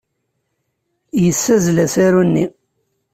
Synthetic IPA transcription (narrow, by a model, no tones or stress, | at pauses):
jəsːæzlæsaɾunːi